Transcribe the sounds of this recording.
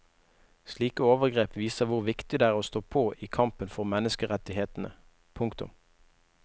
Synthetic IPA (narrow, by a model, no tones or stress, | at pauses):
sliːkəoːʋəʁɡʁeːpʋiːsəʁʋʊʁʋɪkt̪ɪd̪ɛːæːʁoːst̪oːpʰoːʔiːkʰɑmpənfɔʁmɛnəskəʁɛt̪ɪheːt̪n̩ə̰ | pʰʊŋkt̪ʊ̰m